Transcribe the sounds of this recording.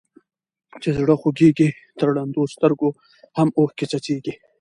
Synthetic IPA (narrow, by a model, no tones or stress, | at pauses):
t͡ʃezɽəxoɡeɡi | t̪əɾɽand̪ost̪əɾɡo | hamohket͡ʃat͡ʃeɡi